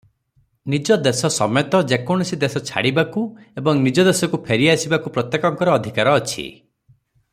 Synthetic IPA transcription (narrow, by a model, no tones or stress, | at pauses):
nid͡ʒɔd̪esɔsɔ̰met̪ɔd͡ʒekɔɽ̃ɔsid̪esɔt͡ʃʰa̰ɽibakuebɔŋnid͡ʒɔd̪esɔkupʰeɾiasibakupɾɔt̪jekɔŋkɔɾɔːd̪ʱikaɾɔːt͡ʃʰḭ